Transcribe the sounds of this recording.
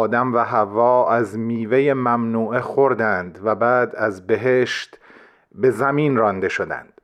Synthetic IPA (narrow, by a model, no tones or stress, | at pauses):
d̪æmvæɦævɒːæzmiːvejemæmnuːexoɾd̪ænd̪væbæːd̪æzbe̞ɦeːʃt̪ | be̞zæmiːnrɒnd̪e̞ʃo̞d̪æ̰nd̪̥